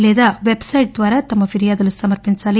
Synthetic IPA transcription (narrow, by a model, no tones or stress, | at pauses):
leːd̪ɐʋebsɐjʈ̚d̪ʋaːɾɐt̪ɐmːɐfiɾijaːd̪ɐlːusɐmɐɾpinsaːli